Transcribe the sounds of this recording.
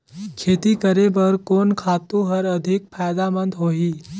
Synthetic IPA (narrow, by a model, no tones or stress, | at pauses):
kʰeːt̪ikəɾebəɾkoːnkʰaːt̪ũɦəɾəd̪ʱɪk̚pʰajd̪amə̃nd̪ɦoːɦiː